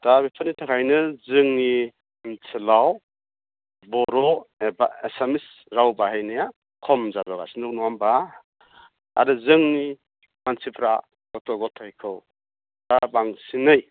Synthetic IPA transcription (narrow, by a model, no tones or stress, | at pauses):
d̥abipʰɯnitʰakʰajnɯzɯŋni | nsʰɯlaw | bɔɾɔeba̰esamis | ɾawbaɦajnija | kʰɔmzabaɡa̰sinɯknuamba | a̰ɾɯzɯŋni | mansipʰɾa | ɡɔtʰɔɡɔtʰajkʰɯw | d̥abaŋsinɯj